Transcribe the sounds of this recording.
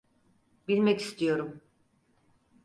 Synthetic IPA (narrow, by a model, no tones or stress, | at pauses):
bilʲmɛci̥st̪ʰijo̞ɾum